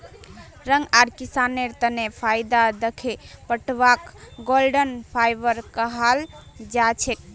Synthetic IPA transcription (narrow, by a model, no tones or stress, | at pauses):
ɾəŋɡaɾkisaneɾt̪ənepʰajd̪ad̪əkʰepəʈbakɡolɖənpʰajbəɾkəɦald͡ʒat͡ʃʰek̚